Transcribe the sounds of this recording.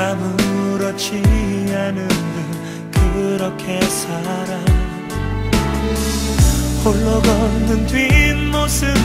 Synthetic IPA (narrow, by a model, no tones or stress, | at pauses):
amɯɾʌt͡ɕʰiɦanɯndɯŋ | kɯɾʌkʰe̞sʰaɾam | hoɭːʌɡʌnːɯntwinmosɯ